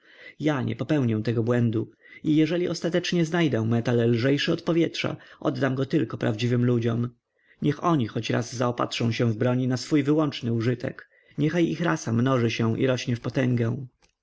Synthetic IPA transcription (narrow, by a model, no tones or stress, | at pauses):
jaɲʔɛ̰pɔpɛwɲɛ̃t̪ɛɡɔbwɛnd̪u | ijɛʐɛlʲiʔɔst̪at̪ɛt͡ʂɲɛznajd̪ɛw̃mɛt̪allʐɛjʂɛɔt̪̚pɔvʲjɛtʂa̰ʔɔ̰d̪ːamɡɔt̪ɘlkɔpɾa̰vd͡ʑivɘmlud͡ʑɔm | ɲɛxɔɲixɔt͡ɕɾa̰zzaɔpa̰tʂɔ̃w̃ɕɛ̃vbɾɔɲinasfujvɘwɔnt͡ʂnɘuʐɘt̪ɛ̰k | ɲɛxajixɾasamnɔʐɘɕɛ̃ʔḭɾɔɕɲɛfpɔt̪ɛŋɡɛw̃